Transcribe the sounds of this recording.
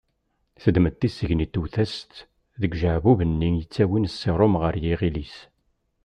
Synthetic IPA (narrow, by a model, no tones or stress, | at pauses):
θəd̪mət̪ːisːəʝnit̪ːuθæst̪ | ðəɡʒəʕvuvənːinjət͡sːæwinsːeɾˤʊmʁəɾjiʁilis